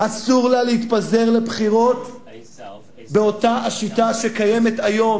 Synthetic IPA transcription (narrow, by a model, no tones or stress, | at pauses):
asuʁlaleit̪paze̞ʁle̞bχiʁo̞t | be̞o̞taaʃitaʃekaje̞me̞t̪ajo̞m